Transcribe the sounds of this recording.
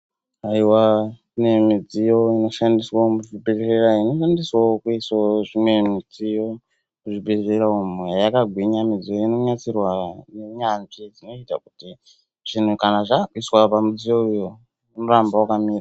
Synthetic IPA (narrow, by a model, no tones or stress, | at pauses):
aiwa | inemid͡zijo̞ino̞ʃandiswaomuʐibʱereeɾaino̞ʃandiswaokuiswaʐimwe̞mid͡zijo̞ | muʐibʱerereɾaumeajakaɡʱwiɲamid͡zijoino̞ɲat͡sirwaneɲanʐid͡zino̞ita̰kuti | ʐ̥in̤ukanaʐakuiswapamid͡zijo̞ujo | nemurambawakamiːra